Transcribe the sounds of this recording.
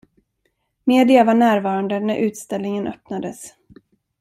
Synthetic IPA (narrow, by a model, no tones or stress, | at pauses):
meːd̪ɪavaɳæːɾvɑːɾand̪ənæɾʔʉ̟ːt̪st̪ɛlnɪŋənʔœ̰pnad̪əs